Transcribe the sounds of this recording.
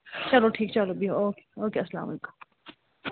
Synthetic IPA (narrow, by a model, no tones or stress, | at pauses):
t͡ʃɐloʈʰiːkt͡ʃɐlobʱiɦooːkeoːkeɐsla̰ːmlkḁ